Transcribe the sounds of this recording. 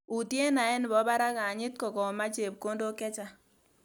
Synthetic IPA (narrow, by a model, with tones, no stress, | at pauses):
u˨tje˦na˨ɛ˦n˨bɔ˨˦ba˦ɾa˦ka˨ɲɪ˦t̚kɔ˨kɔ˨ma˦t͡ʃe˨b̚ko˦ndo˦kɛ˦t͡ʃa˦